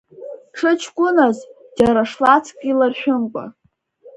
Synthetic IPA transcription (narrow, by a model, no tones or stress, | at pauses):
ʈ͡ʂʰɨt͡ʃʰkʷʼʊnazd͡ʒaɾaʂlat͡sʰkʲʼilarʃᶣʊmkʷʼa̰